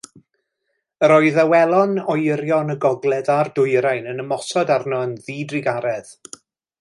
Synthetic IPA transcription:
əɾɔɨðawɛlˠɔnɔjɾjɔnəɡɔɡlˠɛðardʊɨɾajnənəmɔsɔdarnɔənðiːdrɪɡaɾɛð

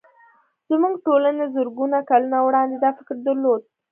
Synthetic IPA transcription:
z̥muɡʈolanezʊɾɡunakalunawɽɑnd̪ed̪ɑfɪkɾd̪əɾlod̪̚

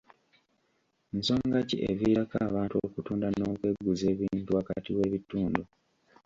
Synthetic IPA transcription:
nso̞ːŋɡacḭʔḛβiɾakaːβaːntuo̰kutuːndano̞ːkwe̞ɡːuze̞ːβiːntuaka̰tiwe̞ːβituːndu

